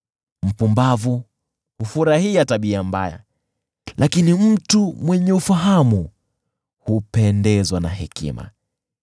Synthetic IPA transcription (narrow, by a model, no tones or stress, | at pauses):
m̩pumbavu | hufuɾahiataɓiamba̰ja̰ | lʔakinim̩tumwɛɲɛufaɦamu | hupɛndɛzwanahɛkḭma̰